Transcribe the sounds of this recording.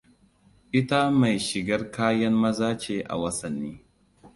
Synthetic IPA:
ʔɪ˦ta˦ma˨jʃɪ˨ɡɐ˦rkaː˦jɐ˦mmɐ˦zaː˦t͡ʃeː˨ʔa̰˨wɐ˦sɐ˨nːiː˦

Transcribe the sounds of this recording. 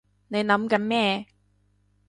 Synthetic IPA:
ne˨˧jnɐ˨˥mkɐ˨˥nmɛː˥˧

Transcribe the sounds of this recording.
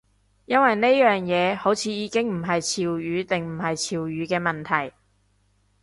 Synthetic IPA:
jɐ˥nwɐ˨jne˥jœː˨ŋjɛː˨˧ho˨˥wt͡sʰiː˨˧˥jiː˨˧˥kɪ˥ŋm̩˨˩ɦɐ˨jt͡sʰiː˨wjyː˨˧˥t̪ɪ˨ŋm̩˨˩ɦɐ˨jt͡sʰiː˨wjyː˨˥kɛː˧mɐ˨nt̪ʰɐ˨˩j

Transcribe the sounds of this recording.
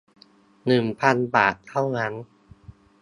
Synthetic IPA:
nɯ˨˩ŋpʰa˧nbaː˨˩t̚t̪ʰa˥˩wna˦˥n

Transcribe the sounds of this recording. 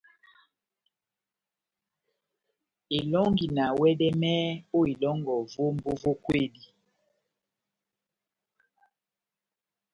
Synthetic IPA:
e˨lɔ˦ŋɡi˨na˨wɛ˦dɛ˦mɛ˦o˦e˨lɔ˦ŋɡɔ˨vo˦m˦bo˦vo˦kwe˦˨di˨

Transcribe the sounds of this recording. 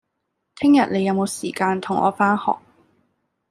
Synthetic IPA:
t̪ʰɪ˥ŋjɐ˨t̚ne˨˧jɐ˨˧wmo˨˧wsiː˨˩kaː˧nt̪ʰʊ˨˩ŋʔɔ̰ː˨˧faː˥nhɔ̰ː˨˩k̚

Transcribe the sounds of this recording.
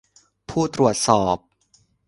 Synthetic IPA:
pʰuː˥˩t̪ɾu˨˩ət̪̚sɔː˨˩p̚

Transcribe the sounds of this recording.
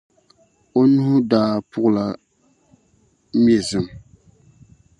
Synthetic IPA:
o˦nu˦hʊ˦daː˦pʊ˦ʔʊ˦la˨ | mje˨zɨ˨m

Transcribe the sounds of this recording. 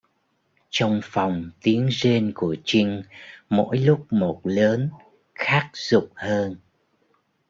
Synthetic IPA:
t͡ɕɔ˧wŋ͡mfa˨˩wŋ͡mt̪i˨˦əŋze˧nku˧˩ət͡ɕï˧ŋmo̰˧˥jlʊ˦˥k͡p̚mo˨˩t̚ləː˨˦n | xaː˦˥k̚z̥ʊ˨˩k͡p̚həː˧n

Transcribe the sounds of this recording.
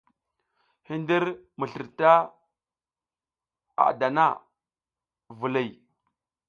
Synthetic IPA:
hi˦ndi˦ɾmə˨ɬi˨ɾta˦ | a̰˨da˨na̰˦ | vu˨li˨j

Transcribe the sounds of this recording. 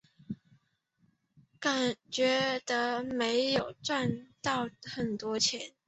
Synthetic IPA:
ka˨˩t͡ɕɥɛ˧˥d̪ə˧˦me˧˦˥ɪjo˨˩ʊt͡swa˥˧nt̪ɑ˥˩ʊxə˨˩nt̪wɔ˥t͡ɕʰjɛ˧˥˦n

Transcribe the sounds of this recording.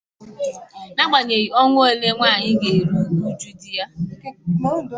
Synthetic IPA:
na˦ɡ͡ba˨ɲe˨i˨ɔ˦ŋʷ˦o˦le˦ŋʷaː˦˨ɲɪ˦ɡe˨ɾu˦ɡu˦d͡ʒu˦di˦a˦

